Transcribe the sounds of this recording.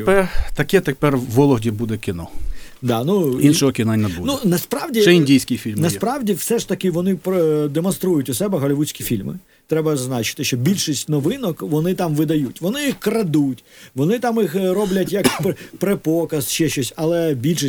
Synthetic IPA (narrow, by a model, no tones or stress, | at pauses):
pɛrt̪ɐkɛt̪ɪpɛrʋɔlˠɔɦdʲibud̪ɛkʲɪnɔd̪ɑnuinʃɔɦɔkʲɪnanʲːɐbununɐspɾɑʋdʲiɛinʲdʲijsʲkʲɪjfʲilʲmnɐspɾɑʋdʲifsɛʂt̪ɐkɪʋɔnɪpd̪emɔnst̪ɾujʊtʲʊsɛbɛɦɐlʲɪʋusʲkʲifʲilʲmɪ̰ | t̪ɾɛbɐzznɑt͡ʃɪ̥t̪ɪʃt͡ʃɔbʲilʲʃisʲtʲnɔʋɪnɔkʋɔnɪt̪ɑmʋɪd̪ɐjutʲʋɔnɪjixkɾɐd̪utʲʋɔnɪt̪ɑmixɾɔblʲɐtʲjɐkppɾepɔkɐsʃɛʃt͡ʃɔsʲɐlˠɛbʲilʲʃi